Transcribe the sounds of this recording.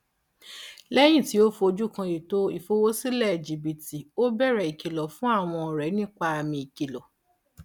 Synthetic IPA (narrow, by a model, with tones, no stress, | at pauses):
lɛ˦j̃ĩ˦˨ti˨˦o˦fo˧o˧d͡ʒu˦˨kã˧ji˨to˦i˨fo˦wo˦si˦lɛ˦˨d͡ʒi˨bi˨ti˨o˦bɛ˦˨ɾɛ˨i˨ki˨lɔ˨fũ˦a˦˨w̃ɔ̃˧˨ɾɛ˨˦nĩ˦˨k͡pa˧a˨mĩ˧i˨ki˨lɔ˨